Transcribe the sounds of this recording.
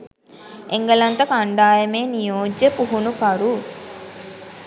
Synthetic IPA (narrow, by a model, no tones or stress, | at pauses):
eŋɡɐlɐnt̪ɐkɐɳɖaːjɐmeːnijoːd͡ʒepuɦunukɐɾu